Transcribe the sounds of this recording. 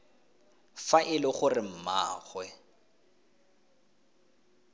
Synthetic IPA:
faʔɪlɪχʊrɪm̩ma̰ːχwɛ

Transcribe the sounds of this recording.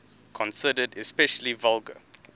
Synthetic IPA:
kʰɔ̃nsɪdədɛspɛʃəlivʌlɡə̰

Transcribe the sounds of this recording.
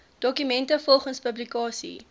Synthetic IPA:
d̥ɔkymɛntəfɔlˠχənspəblikɑːsḭ

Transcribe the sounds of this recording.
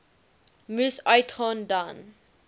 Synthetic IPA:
musajtʰɔ̃ndãn

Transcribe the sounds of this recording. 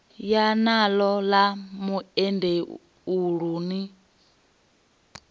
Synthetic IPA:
janalɔlamuɛnde | uɺuːni

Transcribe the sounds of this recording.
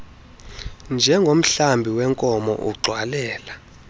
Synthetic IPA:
nd͡ʒʱɛŋɡʱom̩ɬambʱiwɛŋkʼɔmɔ̰ʔṵɡ͡ǀʱwalɛːla

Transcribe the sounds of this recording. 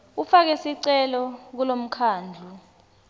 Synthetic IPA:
ufak̬ɛsiǀɛlɔk̬ulom̩kʰaːnd͡ɮʱu

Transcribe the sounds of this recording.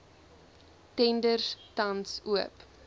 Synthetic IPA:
tɛndərtɐnsuəp

